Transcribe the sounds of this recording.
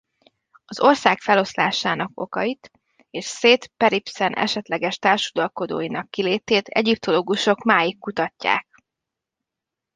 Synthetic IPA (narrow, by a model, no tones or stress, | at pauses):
ɒzo̞rsaːkfɛlo̞sla̰ːʃaːnɒko̞̰kɒjit̪ | eːʃseːt̪pɛɾipsɛnʔɛ̰ʃɛt̪lɛɡɛʃt̪aːrʃud̪ɒlko̞d̪o̰ːjinɒkːileːt̪eːt̪ʰɛ̰ɟip̚t̪o̞loːɡuʃo̞kmaːjikːut̪ɒcːa̰ːk̚